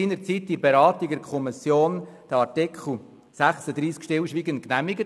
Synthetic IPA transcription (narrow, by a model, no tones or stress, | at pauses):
iːnəɾt͡sit̚d̥ibeɾɑːtiɡ̚dɛkʰɔmisjoːnd̥əɑɾtɪkʰχl̩ˠ | sæχsəd̪ɾiːskʃtɪlʃʋiːɡən̚knæmiɡə